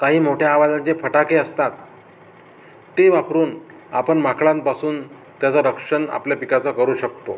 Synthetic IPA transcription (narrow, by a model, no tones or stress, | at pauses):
kaɦiːm̤oʈʰjaːʋad͡zad͡ʑefəʈakeəst̪at̪̚ | eʋakɾuːn | a̰pəɳmakɭãnpasuːn | t̪jat͡saɾəkʂəɳa̰pljapikat͡sakəɾuːɕək̚t̪o